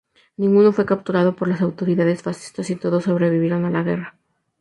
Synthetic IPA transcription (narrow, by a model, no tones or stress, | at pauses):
nĩŋɡuno̞fwe̞kap̚t̪uɾað̞o̞po̞ɾlasawt̪o̞ɾiðaðe̞sfasi̥st̪asit̪o̞ðo̞so̞βɾe̞βiβje̞ɾo̞nalaɣe̞ra